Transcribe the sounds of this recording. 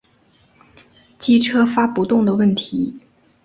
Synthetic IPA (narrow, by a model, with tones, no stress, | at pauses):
t͡ɕi˥ʈ͡ʂʰɤ˥fa˥pu˧˥t̪ʊ˥˩ŋd̪ə˩wə˥˩nt̪ʰi˧˥